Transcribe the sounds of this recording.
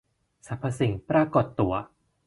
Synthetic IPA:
sa˨˦pʰːa˧si˨˦ŋpɾa˧ko˨˩t̪ːu˨˩˦ɐ

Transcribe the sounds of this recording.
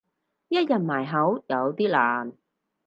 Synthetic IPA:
jɐ˥t̚jɐ˨t̚maː˨˩jɦɐ˨˥wjɐ˨˧wt̪iː˥laː˨˩n

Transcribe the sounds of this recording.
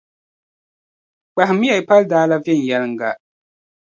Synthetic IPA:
k͡pa˨ɦɪ˨mːi˦ja˨i˨pa˦ldaː˦la˦vjɛ˦˨n̩˨jɛ˦lɨ˦ŋ˨ɡa˨

